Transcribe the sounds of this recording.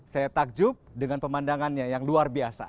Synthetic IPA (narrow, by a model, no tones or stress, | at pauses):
sajat̪ak̚d͡ʒʊp̚dəŋanpəmandaŋanɲajaŋluarbiasa̰